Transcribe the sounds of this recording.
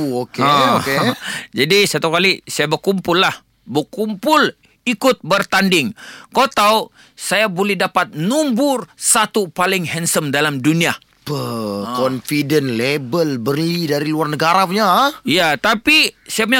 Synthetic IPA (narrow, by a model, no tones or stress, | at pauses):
okoked͡ʒadisat̪ukalisajabərkumpʊlːah | bərkumpʊl | ikʊt̪̚bərt̪andɪŋkot̪au | sajabolɛhdapat̪̚numbʊrsat̪upalɪŋɦɛnsəmdalamdunia | pəkɔnfidənlebəlbərlidaɾiluarnəɡaɾapuɲaijat̪apisajapəɲa